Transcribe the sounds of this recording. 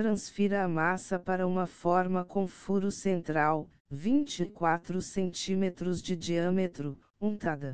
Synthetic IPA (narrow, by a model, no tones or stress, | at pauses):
t̪ɾɐ̃sfiɾɐːmasɐpaɾɐũmɐfɔɾmɐkõfuɾʊsẽnt̪ɾaw | vĩnt͡ʃɪkwat̪ɾʊsẽnt͡ʃĩmet̪ɾʊzd͡ʒɪd͡ʒiɐ̃met̪ɾʊ | ũnt̪ad̪ɐ